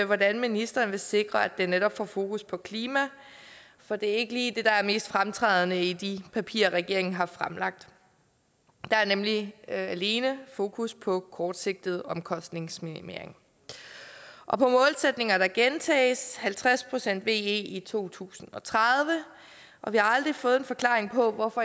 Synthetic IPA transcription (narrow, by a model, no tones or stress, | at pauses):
ʋɒdænminisd̥ɐːnʋe̝se̝ɡ̥ʁɐæd̥eneɾɒ̽b̥fɒfo̝ːkʰuspʰɒ̽kʰliːmæ | fɒ̽d̥e̝æɐe̝ɡ̥əliːd̥e̝d̥ɑ̈æɐme̝̰ːsd̥fʁamt͡sʰʁɛ̰ːð̞ˠnəid̥ipʰæpʰḭːɐʁɛɡ̥e̝ɐ̰e̝ŋn̩ɦɑ̈fʁamlɑ̈ɡ̥̚d̥ | d̥ɑ̈æɐnemliæle̝ːnəfo̝ːkʰuspʰɒ̽kʰɒːd̥se̝ɡ̥̚d̥ð̞̩ˠɒ̽mkʰɒ̽sd̥ne̝ŋsminime̝̰ɐ̰e̝ŋ | ʔɒ̽pʰɒ̽mɔ̽ːlsed̥ne̝ŋɐɾ̥ɑ̈ɡ̥ent͡sʰɛ̰ːshælt͡sʰʁaspʰʁo̝sen̰d̥ʋe̝ːe̝̰ːit͡sʰo̝̰ːt͡sʰṵːsn̩ɒ̽t͡sʰʁaðˠʋə | ʔɒ̽ʋihɑ̈ɑ̈ld̥ʁifɔ̽ːð̞̩ˠenfɒ̽kʰlɑ̈ːʁeŋpʰɒ̽ʋɒfɒ